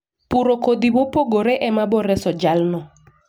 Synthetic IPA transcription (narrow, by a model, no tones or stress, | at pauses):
puɾokod̪ibopoɡoɾɛʔɛmabɔɾɛsɔd͡ʒalnɔ